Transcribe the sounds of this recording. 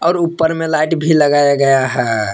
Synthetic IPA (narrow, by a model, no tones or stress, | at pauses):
ɔːɾupːəɾmelaɪʈbʱiləɡajaɡəjaɦɛ